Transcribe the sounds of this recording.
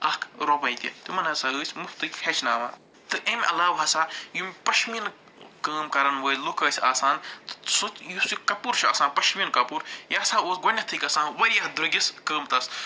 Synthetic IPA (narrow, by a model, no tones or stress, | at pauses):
ɐkʰɾopɐjt̪ʲḭt̪umɐnɐsɐɨːt͡ʃʰʲmuft̪ɨkʲhʰet͡ʃʰnaːma̰ː | t̪ɨʔemʲʔɐ̰laːwɦɐsaːjumʲpɐʃmin | kəːmkɐɾɐnʋəːjlokɐːsʲa̰ːsaːnt̪ɨ̥sut̪jusikɐpuɾt͡ʃʰa̰ːsaːnpɐʃminkɐpuːɾjaːsaːoːsɡonʲːɐt̪ʰɨkɐsãːnʋɐɾʲjɐhd̪ɾuɡʲiskəːmt̪ɐs